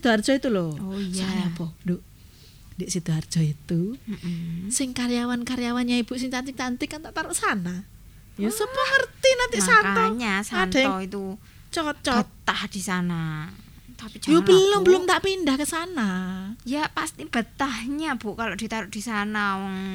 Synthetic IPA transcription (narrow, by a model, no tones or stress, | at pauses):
sid̪oardd͡ʒ̥ɔit̪uloojajabɔdoʔ | daʔsit̪uard͡ʒ̥ɔit̪um̩sɪŋkaɾijawankaɾijawanɲaib̥uʔs̬ɪŋt͡ʃant̪ɪŋ̚t͡ʃant̪ɪkːant̪aʔt̪aɾʊʔsana | jasəmuŋərt̪inant̪ɪʔsant̪ɔɲasaan̥atjaɔit̪u | t͡ʃɔt̪̚t͡ʃɔət̪ahd̥isana | t̪apit͡ʃjobəlilʊmbəlʊmt̪aʔpindahkəsanajapast̪ib̥ət̪ahɲab̥uʔkaloʔd̥i̤t̪aɾʊʔ̚d̥isanawɔŋ